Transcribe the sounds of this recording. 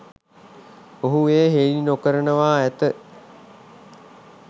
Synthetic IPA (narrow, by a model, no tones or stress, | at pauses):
oɦueːɦeːlinokəɾənəʋaːæt̪ə